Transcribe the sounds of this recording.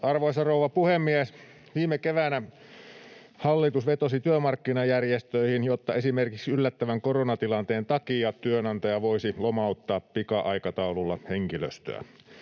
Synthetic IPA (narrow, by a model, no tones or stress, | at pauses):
ɑrʋoˑesɑroˑuʋɑpuhemːies | ʋiːmekeʋænæ | hɑlːit̪usʋet̪osit̪yømɑrkːinɑjærjest̪øihinjot̪ːɑesimerkiksylːæt̪ːæʋæŋkoronɑt̪ilɑnt̪eːnt̪ɑkijɑt̪yønɑnt̪ɑjɑʋoisilomɑˑut̪ːɑːppikɑʔɑikɑt̪ɑululːɑ̰heŋkilø̰st̪ø̰æ̰